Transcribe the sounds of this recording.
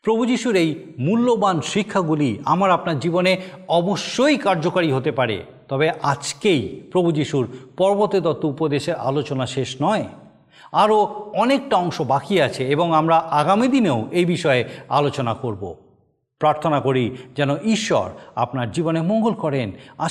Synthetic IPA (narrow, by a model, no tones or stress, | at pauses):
pɾobʱud͡ʑiʃuɾejmulːobanʃikʰːaɡuliamaɾapnaɾd͡ʑiboneɔboʃːojkaɾd͡ʑokaɾiɦot̪epaɾḛ | t̪ɔbeʔad͡ʑkejpɾobʱud͡ʑiʃuɾpɔɾbot̪et̪ɔt̪ːoupod̪eʃeɾʔa̰lot͡ɕonaʃeʃnɔe | aɾoɔnek̚ʈaɔŋʃobakiat͡ɕʰeeboŋamɾaʔaɡamid̪ineoʔejbiʃɔea̰lot͡ɕonakoɾbo̰ | pɾaɾt̪ʰonakoɾid͡ʑɛnoʔiʃːɔ̰ɾa̰pnaɾd͡ʑibonemoŋɡolkɔɾena